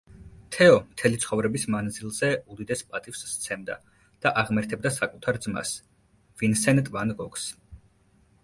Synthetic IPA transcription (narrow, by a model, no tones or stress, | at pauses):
t̪ʰɛɔmt̪ʰɛlit̪sʰχɔvɾɛbismand̪zilˠzɛud̪id̪ɛspʼat̪ʼifst̪sʰɛmd̪a̰ | d̪̥aʔaʁmɛɾt̪ʰɛb̚d̪asakʼut̪ʰaɾd̪zma̰s | vinsɛnt̪ʼvanɡɔkʰs